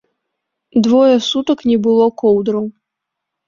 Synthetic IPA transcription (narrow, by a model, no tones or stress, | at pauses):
d̪vɔjɐsut̪ɐknʲɛbɨlˠɔkɔwd̪ɾɐw